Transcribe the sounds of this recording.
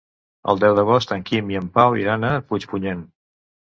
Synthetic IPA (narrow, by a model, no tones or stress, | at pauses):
ə̰lˠd̪ɛwðəɣɔst̪əŋkimiəmpawḭɾanəput͡ʃpuɲen